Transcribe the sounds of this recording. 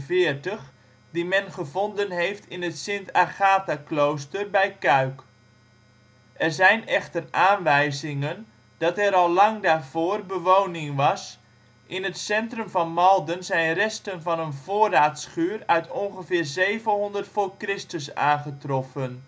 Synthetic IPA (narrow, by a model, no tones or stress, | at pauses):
vɪːərtəχ | dimɛnχəvɔndənɦejftɪnətsɪntʰaχaːtaklowstərbɛjkœɥk | ʔɛrzɛjnɛxtərʔaːnʋɛjzɪŋən | d̥ɑtɛɾɑlˠlɑŋdaːrv̥oːrbəʋownɪŋʋɑs | ʔɪnətsɛntrɵmvɑnmɑlˠdənzɛjnrɛstənvɑnənv̥oːraːtsχyːərœɥtʰɔnχəvɪːrzejvənɦɔndərtfoːrkrɪstəsa̰ːnχətrɔfən